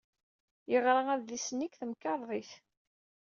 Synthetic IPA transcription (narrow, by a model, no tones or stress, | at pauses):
jəʁɾaæððisənːikθəmkɑɾˤðˤiθ